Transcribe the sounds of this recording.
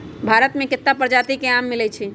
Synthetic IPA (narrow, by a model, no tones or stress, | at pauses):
bʱaɾət̪mẽkɪt̪ːapəɾd͡ʒat̪ikeamːilɛt͡ʃʰi